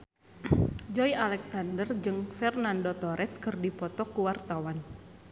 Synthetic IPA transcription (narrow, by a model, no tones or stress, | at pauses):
d͡ʒɔjalɛksandərd͡ʒɨŋfɛrnandot̪ɔɾʔɛskɨrdipɔt̪ɔkuwart̪awan